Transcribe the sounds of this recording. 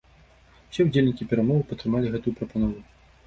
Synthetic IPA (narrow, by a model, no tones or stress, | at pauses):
wsʲɛud͡zʲelʲnʲikʲipʲɛɾamɔvɨpɐt̪ɾɨmalʲiɣɛt̪ujupɾɐpanɔvu